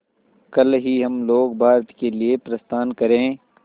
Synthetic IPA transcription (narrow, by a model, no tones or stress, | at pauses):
kɐlɦiɦɐmloːɡbʱaːɾt̪keliepɾɐst̪aːnkɐɾẽː